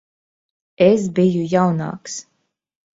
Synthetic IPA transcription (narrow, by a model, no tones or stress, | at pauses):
es̬bijujawna̰ːks